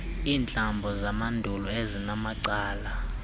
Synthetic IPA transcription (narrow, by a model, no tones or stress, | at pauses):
iːnt͡ɬʼambʱɔzamandʱulɔezinamaǀaːla